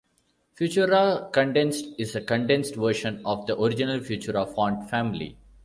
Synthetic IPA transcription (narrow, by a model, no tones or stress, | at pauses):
fjuːt͡ʃəɾakə̃ɳɖẽnsʈɪzəkə̃ɳɖẽnsʈʋəɾʃə̃nɔʋd̪əʔoɾɪd͡ʒɪnəlfjuːt͡ʃəɾɔʋfɔːɳɖfæ̃mɪlḭ